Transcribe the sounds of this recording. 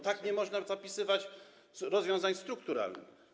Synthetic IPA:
t̪akɲɛmɔʐnazapʲisɘvat͡ɕ | ɾɔzvʲjɔ̃w̃zaɲst̪ɾukt̪uɾa̰lnɘ̰x

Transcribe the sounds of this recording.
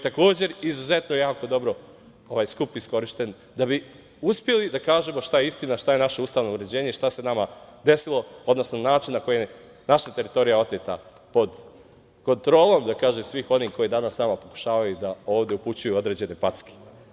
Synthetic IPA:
t̪ako̞ːd͡ʑe̞ɾizuze̞t̪nojaːko̞d̪o̞bɾo̞ | oʋajskupisko̞ɾiʃt̪e̞n | d̪abi | uspjelid̪akaːʒemo̞ʃt̪aje̞ist̪inaʃt̪aje̞naʃe̞uːst̪aːʋno̞uɾe̞d͡ʑe̞ːɲeiʃt̪ase̞namad̪e̞silˠo̞o̞d̪no̞snonaːt͡ʃinːako̞jee | naʃat̪e̞ɾit̪o̞ɾijao̞t̪et̪a̰ | po̞d̪ | ko̞nt̪ɾo̞ːlˠo̞md̪akaːʒemsʋiːxo̞niːxko̞jed̪anasnamapo̞ku̥ʃaːʋajud̪ao̞ːʋd̪euput͡ɕujuo̞d̪ɾe̞ːd͡ʑe̞ne̞pat̪ski̥

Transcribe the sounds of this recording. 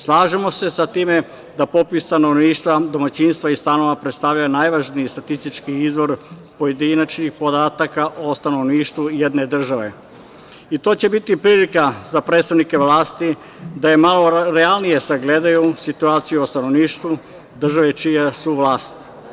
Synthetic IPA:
slˠaːʒemo̞se̞sat̪iːme | d̪apo̞pist̪ano̞ʋniːʃt̪ʋad̪o̞mat͡ɕinst̪ʋaist̪ano̞ʋapɾe̞t̪st̪aʋʎanajʋaʒnijist̪at̪ist̪it͡ʃkiizʋo̞ɾ | poje̞d̪inat͡ʃnixpo̞d̪aːt̪akaʔost̪ano̞ʋniːʃt̪ʋujed̪ne̞d̪r̩ʒaʋe̞ | it̪o̞ːt͡ɕe̞bit̪ipɾiːlikazapɾet̪st̪aʋnike̞ʋlaːst̪i | d̪ajemalo̞ɾealnije̞saɡled̪ajusit̪uaːt̪sijuost̪ano̞ʋniːʃt̪ʋu | d̪r̩ʒaʋet͡ʃijesuʋlˠaːst̪

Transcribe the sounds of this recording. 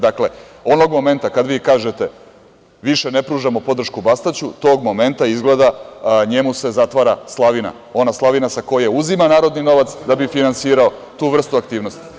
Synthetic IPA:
d̪akle̞ | o̞no̞ɡmo̞me̞nt̪akad̪ʋiːkaːʒe̞t̪e̞ | ʋiʃe̞nepɾuːʒamo̞po̞d̪r̩ʃkubast̪at͡ɕut̪o̞ɡmo̞me̞nt̪aizɡled̪aɲe̞muse̞zat̪ʋaɾaslˠaʋina̰ | o̞naslˠaʋinasako̞jeuzimanaːɾo̞d̪nino̞ʋat̪sd̪abifinansiːɾaot̪uːʋr̩st̪uakt̪iːʋno̞st̪i̥

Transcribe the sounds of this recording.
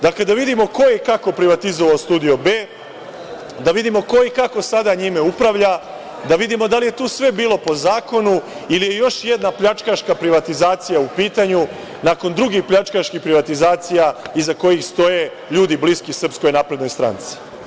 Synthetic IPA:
d̪akle̞d̪aʋid̪imo̞ko̞jekako̞pɾiʋat̪izoʋaost̪uːd̪ijo̞beː | d̪aʋid̪imo̞ko̞ikako̞sad̪aɲime̞upɾaʋʎa | d̪aʋid̪imo̞d̪alije̞t̪uːsʋe̞biːlˠo̞po̞zaːko̞nuilijejo̞ʃjed̪napʎat͡ʃkaʃkapɾiʋat̪izaːt̪sijaupiːt̪aɲu | naːko̞nd̪ɾuɡixpʎat͡ʃkaʃkixpɾiʋat̪izaːt̪sijaizako̞jixst̪o̞je̞ | ʎuːd̪ibliskisr̩psko̞jnaːpɾe̞d̪nojst̪ɾa̰nt̪si̥

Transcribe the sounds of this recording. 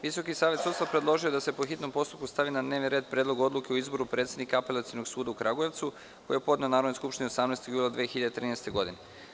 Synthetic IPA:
ʋiso̞kisaːʋe̞t̪sust̪apɾe̞d̪lˠo̞ʒiod̪ase̞po̞xit̪no̞mpo̞st̪up̚kust̪aʋinad̪neʋniɾed̪̚pɾeːd̪lˠo̞ɡo̞d̪luke̞oizbo̞ɾupɾe̞t̪se̞d̪nikaapelat̪siono̞ɡsuːd̪aukɾʔaɡoje̞ʋt̪su | kojpo̞d̪ne̞o̞naɾod̪noskupʃt̪inio̞samnest̪oɡjuːlˠad̪ʋijexiʎad̪et̪ɾiːnest̪e̞ɡo̞d̪ine

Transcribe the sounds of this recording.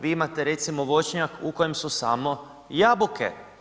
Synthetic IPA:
ʋiːimat̪e̞ɾe̞t̪simoʋo̞t͡ɕɲakuko̞jemsusa̰ːmo̞ | jabukʰḛ

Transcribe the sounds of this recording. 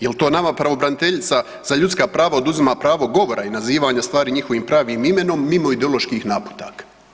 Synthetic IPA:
je̞lt̪oːnamapɾaʋo̞bɾanit̪e̞ʎit̪sa | zaʎut̪skaːpɾaːʋaod̪uzimapɾaːʋo̞ɡo̞ʋo̞ɾainaziːʋaːɲast̪ʋaːɾiɲixo̞ʋiːmpɾaːʋiːmime̞no̞mːimo̞id̪eo̞lo̞ʃkiːxnaːpu̥t̪a̰ːkḁ

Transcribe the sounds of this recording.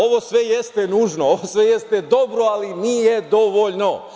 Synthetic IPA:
oʋo̞sʋejest̪enuːʒnooʋosʋejest̪ed̪o̞bɾoalinijed̪o̞ʋoʎno̞

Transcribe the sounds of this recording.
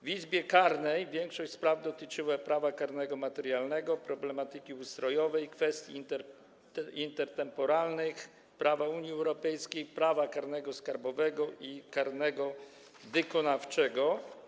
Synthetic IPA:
vizbʲjɛkaɾnɛjvʲjɛŋkʂɔɕt͡ɕʲspɾavd̪ɔt̪ɘt͡ʂɘwapɾavakaɾnɛɡɔmat̪ɛɾjalnɛɡɔpɾɔblɛmat̪ɘkʲiust̪ɾɔjɔvɛjkfɛst̪ʲjḭ | int̪ɛɾt̪ɛmpɔɾalnɘx | pɾavauɲjiɛwɾɔpɛjskʲejpɾavakaɾnɛɡɔskaɾbɔvɛɡɔʔikaɾnɛɡɔ | vɘkɔnaft͡ʂɛɡɔ

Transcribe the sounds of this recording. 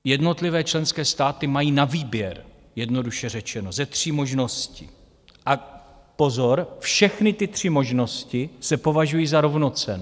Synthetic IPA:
jɛdno̞t̪lɪvɛːt͡ʃlɛnskɛːst̪aːt̪ɪmajiːnaviːbjɛɾ | jɛdno̞duʃɛr̝ɛt͡ʃɛnozɛt̪r̝̥iːmo̞ʒno̞scɪ̰ | ʔa | po̞zo̞ɾfʃɛxnɪt̪ɪt̪r̝̥ɪmo̞ʒno̞scɪsɛpo̞vaʒujiːzaɾo̞vno̞t͡sɛn

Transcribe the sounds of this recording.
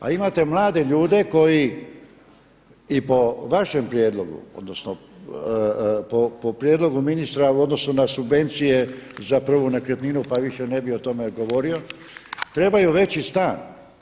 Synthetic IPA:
a̰imat̪e̞mlˠaːd̪e̞ʎuːd̪e̞ko̞ji | ipo̞ʋaʃe̞mpɾjeːd̪lˠo̞ɡṵo̰d̪no̞sno | popopɾjeːd̪lo̞ɡuminist̪ɾauo̞d̪no̞sunasubʋe̞nt̪sije̞zapr̩ʋunekɾet̪ninupaʋiʃene̞bio̞t̪o̞me̞ɡo̞ʋo̞ɾio̞ | t̪ɾe̞bajuʋe̞t͡ɕist̪aːn

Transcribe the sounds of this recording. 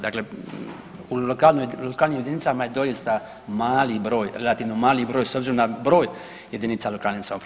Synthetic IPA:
d̪akle | ulokaːlnolokaːlniːmjed̪init̪samajed̪ojist̪a | maːlibɾo̞ːjɾelat̪iːʋnomaːlibɾoːjsobziɾomnabɾoːj | jed̪init̪salokaːlniːmsamop

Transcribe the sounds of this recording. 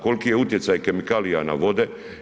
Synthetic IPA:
ko̞lkijeut̪jesajke̞mikaːlijana̰ʋo̞d̪e̞

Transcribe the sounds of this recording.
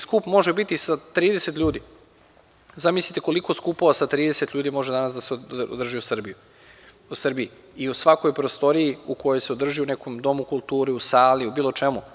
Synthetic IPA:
skupmo̞ʒebit̪isat̪ɾiːd̪e̞se̞t̪ʎʲuːd̪i | zamislit̪eko̞liko̞skupo̞ʋasat̪ɾiːd̪e̞set̪ʎuːd̪imo̞ʒed̪anasd̪aseod̪rʒiusr̩biju | usr̩biji | iusʋako̞jpɾo̞st̪o̞ɾijiuko̞jo̞jseod̪r̩ʒiune̞komd̪o̞mukulˠt̪uːɾiusaːliubiːlˠo̞t͡ʃe̞mu

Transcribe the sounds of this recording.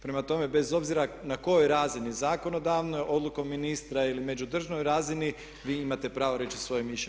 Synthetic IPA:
pɾe̞mat̪o̞me̞be̞zo̞bziɾanako̞jojɾaːzinizaːko̞no̞d̪aːʋnojeʔo̞d̪luko̞mːinist̪ɾailime̞d͡ʑud̪r̩ʒno̞jɾaːzini | ʋiːimat̪e̞pɾaːʋo̞ɾe̞t͡ʃisʋo̞jemiʃe

